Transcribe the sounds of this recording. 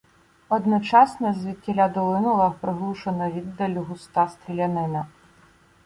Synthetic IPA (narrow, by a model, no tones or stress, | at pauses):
ɔd̪nɔt͡ʂasnɐzʲvʲitʲːɛlʲad̪ɔlˠɪnɔlɐpɾɪɣlˠuʂɐnɐvʲid̪ːɐlʲuɣʊst̪ast̪ɾʲilʲanɪnɐ